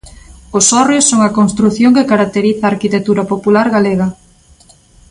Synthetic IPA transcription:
ʊsɔrjosːoŋɐkonst̪ɾuθjoŋkekaɾak̚t̪eɾiθaːɾkit̪ek̚t̪uɾɐpopulaɾɣaleɣɐ

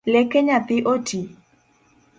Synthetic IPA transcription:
lɛkɛɲat̪ɪʔotʰi

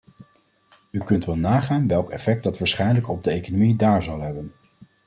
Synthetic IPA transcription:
ykɵntʋɛlˠnaːχaːnʋɛlˠkɛfɛk̚dɑtʋaːɹsχɛjnələkɔb̚dəejkonomidaːɹzɑlˠɦɛbən

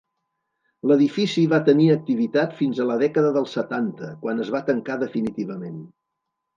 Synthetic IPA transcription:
ləðifisiβat̪əniək̚t̪iβ̞it̪at̪finzələðɛkəðəðəlˠsət̪ant̪əkwanəzβat̪əŋkaðəfinit̪iβəmen

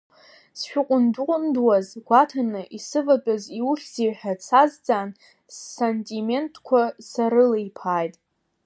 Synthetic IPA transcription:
sʃᶣʊqʷʼʊndʊqʷʼʊndwazɡ̥ʷatʰanɨʔisɨvat͡pʼaziwuʃʲz̥iħᶣat͡sʰazd͡zʼan | sːentʼime̞ntʰʼkʷʰasaɾɨlejpʰaːjtʼ

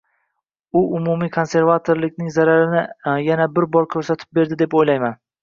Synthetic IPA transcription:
ʊʔʊmumikʰo̞nse̞ɾvat̪ʰoɾlɪkʲnɪŋzaɾaɾɪnɪjanabɪɾbɒɾkʲʰɵɾsat̪ʰɪ̥p̚be̞ɾd̪ɪd̪e̞pojlajman

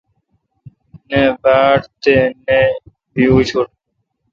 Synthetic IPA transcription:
nebaːʈt̪ene | biut͡ɕʰuʈ

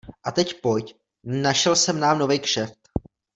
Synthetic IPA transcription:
ʔat̪ɛcpo̞jc | naʃɛlsɛmnaːmno̞vijkʃɛft̪

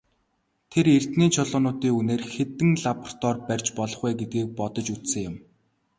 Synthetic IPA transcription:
t̪ʰeɾert̪niːt͡ɕʰʊɮʊːnʊːt̪iːŋuneːrxet̪ɘ̆ŋɮapr̥t̪ʰɔrpær̥ʲt͡ɕpɔɮɞ̆χwæːɡet̪̚ɡiːk̚pɔt̪ɞ̆t͡ɕut͡ssɘ̆ŋjʊ̆m

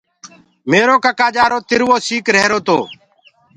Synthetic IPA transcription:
meːɾoːkəkaːd͡ʒaːɾoːt̪ɪɾʋoːsiːkɾɛːɾoːt̪o̰ː

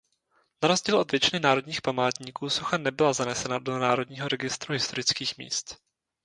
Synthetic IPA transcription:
naɾo̞zɟiːlʔo̞dvjɛt͡ʃɪnɪnaːɾo̞dɲiːxpamaːt̪ɲiːkuːsuxanɛbɪlazanɛsɛnadonaːɾo̞dɲiːɦo̞ɾɛɡɪst̪ɾuɦɪst̪o̞ɾɪt͡skiːxmḭːst̪

